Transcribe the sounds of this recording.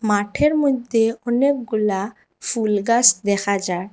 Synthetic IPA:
maʈʰeɾmod̪ʱeɔnek̚ɡula | fʰulɡasd̪ɛkʰad͡ʒaɽ

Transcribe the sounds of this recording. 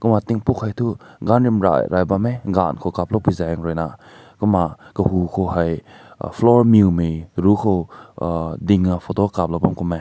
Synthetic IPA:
kumat̪iŋpukhajtʰuɡanɾimɾa̰jɾʔajbameɡa̰nkʰokap̚lopuzaŋɾɔjna | kumakəhukʰowhaj̰ | flɔɾmumijɾukʰow | diŋapʰotokap̚lowbamkume

